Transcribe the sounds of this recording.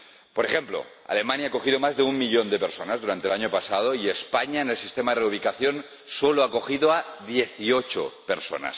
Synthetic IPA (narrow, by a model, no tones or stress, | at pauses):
poɾexe̞mplo̞̰ | a̰le̞mãnjaːko̞xiðomazðeumːiʎo̞nd̪e̞peɾsonazðuɾant̪elaɲopasað̞oiespaɲaenelsi̥st̪emaðereuβ̞ikaθjo̞n | soloako̞xiðoaðjeθiot͡ʃo̰peɾso̰na̰s